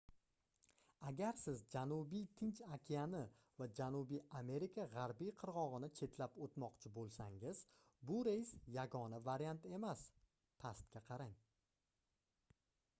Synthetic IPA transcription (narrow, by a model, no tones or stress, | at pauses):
aɡʲaɾsɪzd͡ʒanubijt̪ʰɪnt͡ʃakʲʰianɪ | vad͡ʒanubijame̞ɾikʰaʁaɾbijqʰɨɾʁɒʁɨnɪt͡ʃʰe̞t̪ʰlapot̪mɒqt͡ʃʰɪbolˠsaŋɪz | bʊɾe̞jsjaɡɒnavaɾijant̪e̞mas | pʰast̪kʲaqʰɑɾaŋ